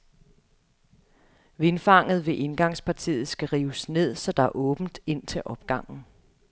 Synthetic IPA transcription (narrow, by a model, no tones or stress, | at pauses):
ʋe̝nfɑ̈ŋ̰ð̩ˠʋe̝ʔe̝nɡ̥ɑ̈ŋspʰɑ̈t͡sʰḭːð̩ˠsɡ̥æʁiːʊəsne̝ð̞̰ˠsɒ̽d̥ɑ̈æɐʔɔ̽ːb̥n̩d̥e̝n̰t͡sʰe̝ʔɒ̽b̥̚ɡ̥ɑ̈ŋ̰n̩